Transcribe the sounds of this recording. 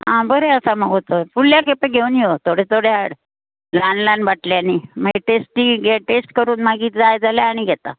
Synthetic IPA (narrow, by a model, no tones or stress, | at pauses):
ɦãbəɾeəsaməɡʱɦot̪əfulːjakepeɡʱeuːnjot̪ʰoɽet̪ʰoɽeaɽ | lanlanbaʈljanimaɡeʈesʈiːɡeʈesʈkəɾuːnmaɡiːt̪d͡zajd͡zaljaːɽ̃iɡʱɛt̪a̰